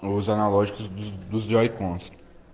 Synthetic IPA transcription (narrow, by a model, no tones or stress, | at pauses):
ʊzanalɔʒikʊzd̪ʊd̪ʊzd͡ʒɔjkõs